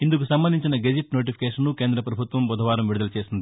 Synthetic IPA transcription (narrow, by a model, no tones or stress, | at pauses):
ind̪ukusɐmbɐnd̪iɲt͡ʃinɐɡed͡ʒiʈno̞ːʈ̬ipʰi̥keːʂɐnːukeːnd̪ɾɐpɾɐbʱut̪ʋɐmbɔd̪ʱɐʋaːɾɐmʋiɾud̪ɐlɐt͡ʃe̞ːsind̪i